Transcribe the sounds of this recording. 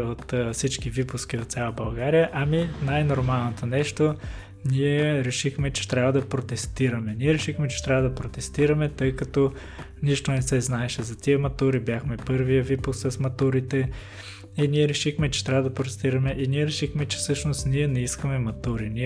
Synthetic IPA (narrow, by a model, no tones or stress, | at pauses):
ot̪ːfsit͡ʃkivipʊskʲiot̪sʲjalˠɐbɐlˠɡaɾijəʔɐminajnoɾmalˠnot̪onɛʃt̪o | niɛɾɛʃixmɛt͡ʃɛ̥t̪ɾʲavɐd̪ɐpɾot̪ɛst̪iɾɐmɛniɛɾɛʃixmɛt͡ʃɛ̥t̪ɾʲavɐd̪ɐpɾot̪ɛst̪iɾɐmɛt̪ɤjkɐt̪o | niʃt̪onɛsɛznaɛʃɛzɐt̪iəmɐt̪uɾibjaxmɛpɤɾvijəvipʊssɐsmɐt̪uɾit̪ɛ | iniɛɾɛʃixmɛt͡ʃɛ̥t̪ɾʲavəd̪ɐpɾot̪ɛst̪iɾɐmɛʔiniɛɾɛʃixmɛt͡ʃɛ̥sɤʃnost̪niɛnɛiskɐmɛmɐt̪uɾini